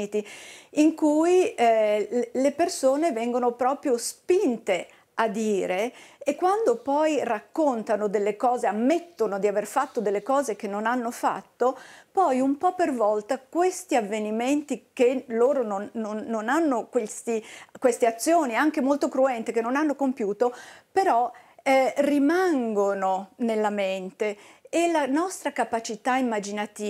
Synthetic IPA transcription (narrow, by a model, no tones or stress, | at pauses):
t̪iiŋkuj | lepersoːnevɛŋɡonopɾɔːpɾjospint̪e | ad̪ːiːɾeːkːwand̪opɔjrakːont̪anod̪elːekɔːzeamːet̪ːonod̪iaverfat̪ːod̪elːekɔːzek̟enːonanːofa̰t̪ːopɔjumpɔpːervɔlt̪akwest̪iavːeniment̪ikeloːɾononːonːonanːokwest̪ikwest̪eat̪sːjoːniaŋk̟emolt̪okɾuɛnt̪ekenːonanːokompjuːt̪opeɾɔɛrimaŋɡononelːament̪eːlanɔst̪ɾakapat͡ʃit̪aimːad͡ʒinat̪iː